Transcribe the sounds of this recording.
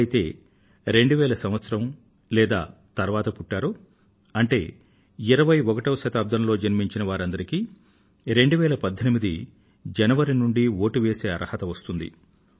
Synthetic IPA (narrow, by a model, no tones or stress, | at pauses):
jit̪e̞̰ː | ɾe̞ɳɖuʋɛːlɐsɐmʋɐt̪sɐɾɐm | lɛːd̪a̰ː | t̪ɐɾʋaːt̪ɐpuʈːaːɾu | ɐɳʈe̞ː | iɾɐʋɐjɔkɐʈɐːʃɐt̪aːb̚d̪ʱɐmlo̞ːd͡ʒɐnmiɲt͡ʃinɐʋaːɾɐnd̪ɐɾikiː | ɾe̞ɳɖuʋɛːlɐpɐd̪ʱːɐnimid̪i | d͡ʒɐnɐʋɐɾinuɳɖio̞ːʈuʋeːse̞ːɐɾʔɐhɐt̪ɐʋɐst̪und̪ḭ